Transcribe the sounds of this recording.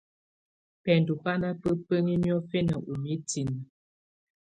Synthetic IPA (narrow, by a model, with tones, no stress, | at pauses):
pɛ˨n˨du˨pa˦na˦pə˦pə˦ŋi˦mjɔ˦fe˦nə˨ʔu˨mi˦ti˨n˨